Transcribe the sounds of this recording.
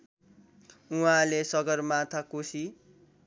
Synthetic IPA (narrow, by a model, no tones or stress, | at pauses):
uɦãlesʌɡʌrmat̪ʰakusi